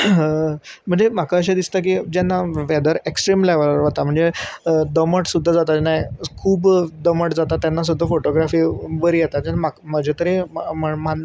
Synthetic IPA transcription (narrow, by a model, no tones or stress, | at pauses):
m̤əɳd͡zem̤akʰaəɕ̬ed̪ist̪ak̬iːd͡ʑanːaʋɛd̪əɾeksʈɾimleʋəlɾʋət̪am̤əɳd͡zed̪əməʈsud̪ʱːad͡zat̪ad͡ʑanajkʰuːbd̪əməʈd͡zat̪at̪janːas̬ud̪ʱːafoʈoɡɾafiːʋəɾijɛt̪ad͡ʑanːamakməd͡ʑʱet̪əɾeməma